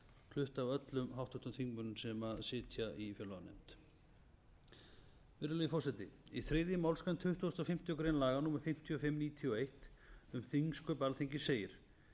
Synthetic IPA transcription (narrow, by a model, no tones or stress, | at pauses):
kʰlʏht̪avœt̪lʏmhawht̪ʰɔht̪ʏmθiŋkmʏnʏmsɛmaðsɪːt̪ʰjaʔifjœlanɛ̰m̥t̪ | vɪɾʏlɛjfɔwsɛt̪ɪiθɾeːðjɪmawlskant̪ʰʏht̪ust̪ɔfɪm̥t̪ɪɔkɾeːjnlaːɣanuːmaɾ̥fɪm̥t̪ʰiɔfɪmːniːt̪ʰiɔejht̪ʏmθiŋskʏpalθeɲcɪseːjɪɾ̥